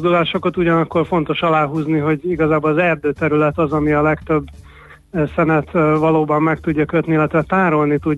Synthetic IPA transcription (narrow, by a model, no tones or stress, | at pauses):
d̪ulaːʃo̞kɒt̪uɟɒnɒkːo̞rfo̞n̪t̪o̞ʃɒlaːɦuːzniɦo̞ɟiɡɒzaːbolɒzɛrd̪øːt̪ɛɾylɛt̪ɒzɒmiɒlɛkt̪ø̞bː | sɛnɛt̪vɒloːbɒmːɛkt̪uɟːɒkøt̪niilːɛt̪ʋɛt̪aːɾo̞lnit̪ud